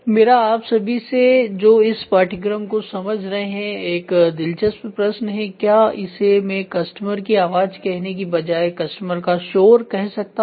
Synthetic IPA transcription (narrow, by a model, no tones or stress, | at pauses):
meːɾaaːpsɐbʱised͡ʒoːɪspaːʈʰɪɡɾəmkosɐməd͡ʒʱɾɐɦeɦɛ̃eːkd̪ɪlt͡ʃəsppɾɐʃnɦɛ̃kjaːɪsemẽkɐsʈəməɾkiaːʋaːd͡ʒkɛɦnek̬ibɐd͡ʒaːekɐsʈəməɾkaʃoːɾkɛɦsɐk̚t̪a